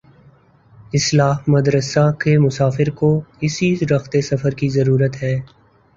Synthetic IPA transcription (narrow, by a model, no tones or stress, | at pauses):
ɪslaːɦmɐd̪ɾəsakemʊsaːfɪɾkoɪsiɾɐxt̪esɐfəɾkizɐɾuːɾət̪ɦɛː